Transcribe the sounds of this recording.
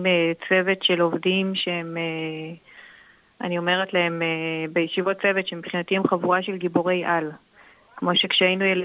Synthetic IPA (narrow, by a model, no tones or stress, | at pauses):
met͡se̞ve̞t̪ʃelo̞vdimʃeheme | a̰nio̞me̞ʁet̪lae̞mebejeʃivot̚t͡se̞vetʃemipχinat̪iemχavuʁaʃe̞lɡiboʁe̞jʔal | kmo̞ʃe̞kʃeajinujel